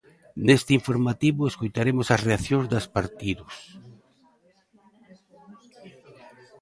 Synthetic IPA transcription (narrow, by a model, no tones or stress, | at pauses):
nest̪ɪiɱfoɾmat̪iβʊeskojt̪aɾemʊsɐsreaθjõŋzd̪aspaɾt̪iðʊs